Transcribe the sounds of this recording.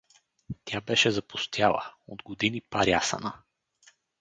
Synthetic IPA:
t̪ʲjabɛʃɛzɐpʊst̪ʰʲjalˠə̰od̪ɡod̪inipaɾjasə̰nə

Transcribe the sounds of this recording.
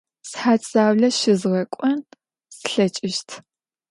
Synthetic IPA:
sħaːt͡sʼaːwɮɐʃɪzʁɐkʷʼɔn | sɨɬɐt͡ʃʼɪʃtʰ

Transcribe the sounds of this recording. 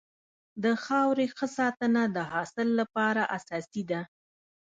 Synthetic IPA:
d̪əxɑwɾexəsɑt̪ənad̪əɦɑsɪlːapɑɾaʔasɑsid̪a

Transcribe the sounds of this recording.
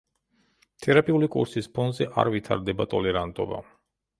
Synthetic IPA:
t̪ʰɛɾapʼiulikʼṵɾsispʰɔnd̪zɛʔa̰ɾvit̪ʰaɾd̪ɛbat̪ʼɔlɛɾant̪ʼɔba̰

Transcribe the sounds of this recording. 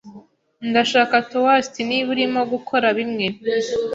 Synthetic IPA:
ndaʃaːkatowastiniβuɾimo̞ɡukʰo̞ɾaβimŋe

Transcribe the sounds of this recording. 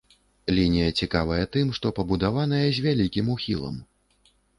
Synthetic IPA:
lʲinʲijɐt͡sʲikavɐjɐt̪ɨmʂt̪ɔpɐbud̪avanɐjɐzʲvʲalʲikʲimuxʲḭlˠɐ̰m

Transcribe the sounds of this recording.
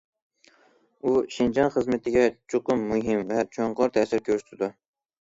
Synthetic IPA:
uʃind͡ʒɑnχəzmɪt̪ʰɪɡʲɛt͡ʃʰoqʊmːuɦɪmvɛt͡ʃʰoɴqʰɑɾt̪ʰɛsɪɾkʲʰøɾʃt̪ʰɪd̪u

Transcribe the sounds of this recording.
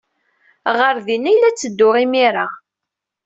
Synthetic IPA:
ʁəɾðinæjlːæt͡sːəd̪ːʊʁimiɾa

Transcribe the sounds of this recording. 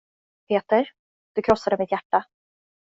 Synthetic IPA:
pʰeːt̪əɾ | d̪̥ɵkʰɾɔsːad̪əmɪt̪jæʈːa

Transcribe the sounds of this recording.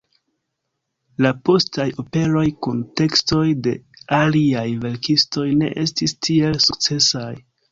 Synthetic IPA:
lapo̞stajo̞pe̞ɾo̞jkunte̞ksto̞jde̞aliajve̞ɾkisto̞jne̞̰ʔe̞stistʰie̞lsuk̚t͡se̞saj

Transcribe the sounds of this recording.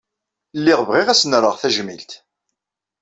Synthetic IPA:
lːiʁvʁiʁæsnəɾˤəʁθæʒmḭlt̪

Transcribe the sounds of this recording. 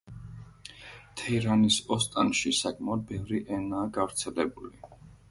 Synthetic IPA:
t̪ʰɛɾanisɔst̪ʼanʃisakʼmɛɔd̪̚bɛvɾiʔɛnaːɡavɾt̪sʰɛlɛbuli

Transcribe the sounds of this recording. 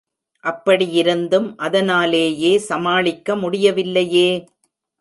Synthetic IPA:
ʔɐpːɐɽijɪɾɯnd̪ɯmʔɐðɐnaːleːjeːsɐmaːɭɪkːɐmʊɽɪjɐʋɪlːɐjeː

